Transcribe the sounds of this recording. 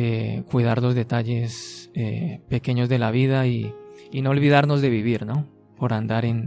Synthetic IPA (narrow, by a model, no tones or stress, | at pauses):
ekwiðaɾlo̞zðe̞t̪aʝe̞sḛpe̞ke̞ɲo̞zðe̞laβið̞aiːno̞olβið̞aɾno̞zðe̞βiβiɾno̞ | po̞ɾand̪aɾen